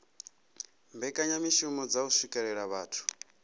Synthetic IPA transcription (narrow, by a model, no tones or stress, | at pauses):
mbɛkʼaɲamiʃumɔd͡zausikʼɛɺɛɺaβaːtʰu̥